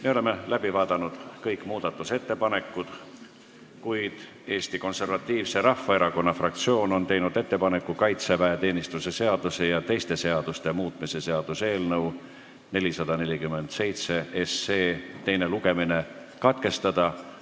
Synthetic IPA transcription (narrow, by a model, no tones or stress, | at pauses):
me̞ole̞melæb̥ivɑːd̪̥ɑnud̪̥kɤjkmuːd̪̥ɑt̪ːˑuse̞t̪ːe̞pɑne̞kˑːud̪̥ | kujd̪̥ | e̞ːst̪iko̞nse̞rvɑt̪ˑːiːvseɾɑfːɑe̞ɾɑko̞nːɑfrɑk̚t̪sio̞ːno̞nt̪e̞jnud̪e̞t̪ːe̞pɑne̞kːˑukɑjt̪sevæet̪e̞ːnʲist̪use̞se̞ɑd̪̥use̞jɑt̪e̞jst̪e̞se̞ɑd̪̥ust̪e̞muːt̪ˑmise̞se̞ɑd̪̥use̞ːlnɤw | ne̞lʲisɑd̪̥ɑne̞lʲikymːe̞nd̪̥se̞jt̪se̞ese̞ːt̪e̞jne̞luɡe̞mine̞ | kɑt̪ke̞st̪ɑd̪̥ɑ